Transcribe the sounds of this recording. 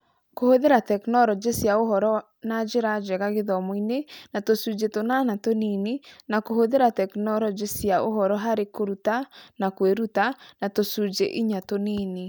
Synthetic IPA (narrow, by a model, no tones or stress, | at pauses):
kohoðeɾatɛknɔɾɔd͡ʒesjaoɦɔɾɔ | nad͡ʒeɾad͡ʒɛɣaɣeðɔmɔinenatosud͡ʒetonanatoninenakohoðeɾatɛknɔɾɔd͡ʒesjaoɦɔɾɔɦaɾekoɾutanakweɾutanatosud͡ʒeʔiɲatoniːne